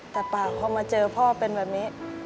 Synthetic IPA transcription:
t̪ɛː˨˩paː˨˩wpʰɔː˧maː˧t͡ɕɤː˧pʰɔɔ˦˥˦a˥˩pe˧nbɛː˨˩p̚niː˦˥

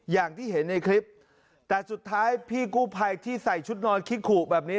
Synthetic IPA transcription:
jaː˨˩ŋt̪ʰiː˥˩ɦe˩˦nːa˧jkʰɾi˦˥p̚ | t̪ɛː˨˩su˨˩t̪ʰːaː˦˥jpʰiː˥˩kuː˥˩pʰa˧jt̪ʰiː˥˩sa˨˩jt͡ɕʰu˦˥t̪̚nɔː˧nkʰi˦˥kʰuː˨˩bɛː˨˩p̚niː˦˥

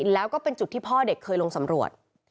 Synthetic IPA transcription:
lɛː˦˥wkɔː˥˩pe˧nt͡ɕu˨˩t̪ʰːiː˥˩pʰɔː˥˩de˨˩kʰːɤː˧jlo˧ŋsa˩˦mɾu˨˩ət̪̚

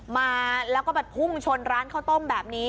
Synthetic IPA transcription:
maː˧lɛː˦˥kɔː˥˩bɛː˨˩pʰu˥˩ŋt͡ɕʰo˧nɾaː˦˥nkʰa˥˩wt̪o˥˩mbɛː˨˩p̚niː˦˥

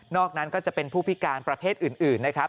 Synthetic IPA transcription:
nɔː˥˩k̚na˦˥nkɔː˥˩t͡ɕa˨˩ʔpe˧npʰuː˥˩pʰi˦˥kaː˧npɾa˧pʰeː˥˩t̪̚ʔɯː˨˩nʔɯː˨˩nːa˦˥kʰɾa˦˥p̚

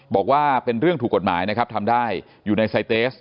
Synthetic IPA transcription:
bɔː˨˩k̚waː˥˩pe˧nɾɯ˥˩ŋʰuː˨˩kːo˨˩t̪̚ma̰ː˩˦jna˦˥kʰa˦˥p̚t̪ʰa˧mdaː˥˩j | juː˨˩na˧jsa˧jt̪eː˦˥s

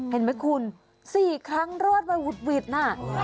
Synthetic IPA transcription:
e˨˩˦nma˦˥jkʰu˧n | siː˨˩kʰɾa˦˥ŋɾo˥˩ət̪̚ma˧wu˨˩t̪̚wi˨˩t̪̚naː˧˥˩

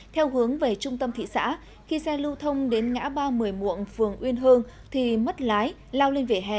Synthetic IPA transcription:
t̪ʰɛ˧wɦɨ˨˦əŋve˨˩t͡ɕʊ˧ŋ͡mt̪ə˧mt̪ʰḭ˧˨sa̰ː˧˥ | xi˧sɛ˧lɨ˧t̪ʰə˧wŋ͡mɗe˨˦nŋa̰ː˧˥ɓaː˧mɨ˨˩əjmṵ˧˨ənfɨ˨˩əŋʔwi˧ənɦəː˧n | t̪ʰi˨˩mə˦˥t̚laː˨˦j | laː˧wle˧nve˧˩ɦɛ̰˧˨

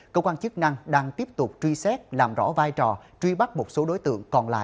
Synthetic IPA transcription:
kə˧wkwaː˧nt͡ɕɨ˦˥k̚na˧ŋɗaː˧ŋt̪i˦˥əp̚t̪ʊ˨˩k͡p̚t͡ɕwi˧sɛ˦˥t̚laː˨˩mzɔ̰˧˥vaː˧jt͡ɕɔ˨˩t͡ɕwi˧ɓa˦˥k̚mo˨˩t̚so˨˦ɗo˨˦jt̪ɨ̰˧˨əŋkɔ˨˩nla̰ː˧˨ʔ

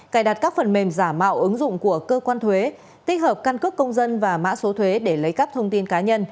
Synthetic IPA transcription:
kaː˧˩jɗa˨˩t̚kaː˦˥k̚fə˨˩nme˨˩mzaː˧˩mːa̰ː˧˨wʔɨ˨˦ŋzʊ̰˧˨ŋ͡mku˧˩əkəː˧kwaː˧nt̪ʰwe˨˦ | t̪ï̟˦˥həː˨˩p̚ka˧nkɨ˦˥kːə˧wŋ͡mzə˧nvaː˨˩ma̰ː˧˥so˨˦t̪ʰwe˨˦ɗe˧˩lə˨˦jkə˦˥p̚t̪ʰə˧wŋ͡mt̪i˧nkaː˨˦ɲə˧n

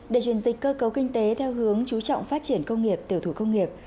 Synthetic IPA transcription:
ɗe˧˩t͡ɕwi˧˩ənzï̟˨˩kəː˧kə˨˦wkï˧ŋ̟t̪e˨˦t̪ʰɛ˧wɦɨ˨˦əŋt͡ɕu˨˦t͡ɕɔ̰˧˨wŋ͡mfaː˦˥t̚t͡ɕi˧˩ənkə˧wŋ͡mŋi˨˩əp̚t̪i˨˩˨əwt̪ʰu˧˩kə˧wŋ͡mŋi˨˩əp̚

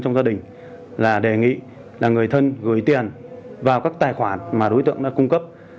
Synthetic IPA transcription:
t͡ɕɔ˧wŋ͡mzaː˧ɗï˨˩ŋ̟ | laː˨˩ɗe˨˩ŋḭ˧˨ | laː˨˩ŋɨ˨˩əjt̪ʰə˧nɣɨ˧˩əjt̪i˨˩ənvaː˨˩wkaː˦˥k̚t̪aː˨˩jxwaː˧˩nmaː˨˩ɗo˨˦jt̪ɨ̰˧˨əŋɗa̰ː˧˥kʊ˧ŋ͡mkə˦˥p̚

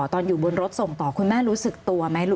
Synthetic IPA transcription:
t̪ɔː˧njuː˨˩bo˧nɾo˦˥t̪̚so˨˩ŋt̪ɔː˨˩kʰu˧nmaː˥˩ɾuː˦˥sɯ˨˩k̚t̪u˧ɐma˦˥j

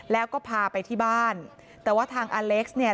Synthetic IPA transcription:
lɛː˦˥wkɔː˥˩pʰaː˧pa˧jt̪ʰiː˥˩baː˥˩n | t̪ɛː˨˩waː˥˩t̪ʰaː˧ŋʔaː˧le˦˥k̚sni˥˩ɐ

